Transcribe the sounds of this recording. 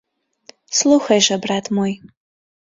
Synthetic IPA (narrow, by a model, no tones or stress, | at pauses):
slˠuxɐjʒɐbrat̪ʰmoj